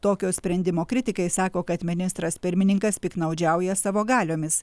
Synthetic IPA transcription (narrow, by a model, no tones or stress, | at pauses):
t̪oːkʲoːsʲpʲɾʲɛnʲd̪ʲɪmoːkɾʲɪt̪ʲɪkɐɪsɑːkoːkɐt̪mʲɪnʲɪst̪ɾɐspʲɪɾʲmʲɪnʲɪŋkɐspʲiːknɐʊd͡ʒʲɛˑʊjɛsɑːʋoːɡɑːlʲoːmʲɪs